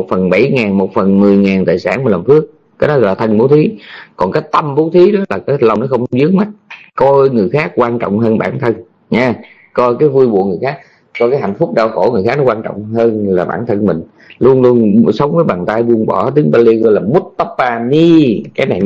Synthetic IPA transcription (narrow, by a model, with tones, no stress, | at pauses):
o˨˩t̚fə˨˩nɓa˧˩jŋaː˨˩nmo˨˩t̚fə˨˩nmɨ˨˩əjŋaː˨˩nt̪a̰ː˧˨˩jsaː˧˩n˨˩lə˨˩mfɨ˦˥ək̚ːaː˨˦jnɔ˨˦ɣɔ˧˨laː˨˩t̪ʰə˧nɓo˨˦t̪ʰi˨˦kɔ˨˩nkaː˨˦jt̪ə˧mɓo˨˦t̪ʰi˨˦ɗɔ˨˦laː˨˩kaː˨˦jlə˨˩ŋ͡mnɔ˨˦xə˧wŋ͡mzɨ˨˦əŋ̚ma˦˥t̚kɔ˧jŋɨ˨˩əjxaː˦˥k̚kwaː˧nt͡ɕɔ̰˧˨wŋ͡mɦəː˧nɓaː˧˩nt̪ʰə˧n | ɲaː˨˧ | kɔ˧jkaː˨˦jvu˧əjɓṵ˧˨əŋ˨˩əjxaː˦˥k̚ | kɔ˧jkaː˨˦jɦa̰˧˨jnfʊ˦˥k͡p̚ɗaː˧˩wxo˧˩ŋɨ˨˩əxa˦˥knɔ˦kwaː˧nt͡ɕɔ̰˧˨wŋ͡mɦəː˧nlaː˨˩ɓa̰ː˧˩nt̪ʰə˧nmï˨˩ŋ̟ | lu˧ənlu˧ənsə˨˦wŋ͡mvəː˨˦jɓaː˨˩nt̪aː˧jvu˧ənɓɔ˧˩t̪i˨˦əŋɓa˧li˧ɣɔ˧jlaː˨˩mu˦˥t̚t̪ə˦˥pːaː˧ni˧kaː˨˦jna˨˩j